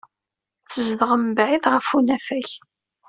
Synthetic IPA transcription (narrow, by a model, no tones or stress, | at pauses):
θəzðəʁəmbʕiðʁəfunæfæç